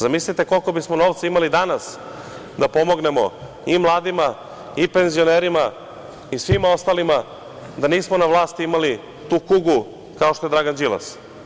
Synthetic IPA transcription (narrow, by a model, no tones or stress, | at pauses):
zamislit̪e̞ko̞lˠko̞bismo̞no̞ːʋt̪saimalid̪anas | d̪apo̞mo̞ɡne̞mo̞̰ | imlˠaːd̪ima | ipe̞nzio̞neɾima | isʋimao̞st̪alima | d̪aniːsmonaʋlˠaːst̪iimali | t̪uːkuɡu | kaoʃt̪oe̞d̪ɾaɡand͡ʒila̰s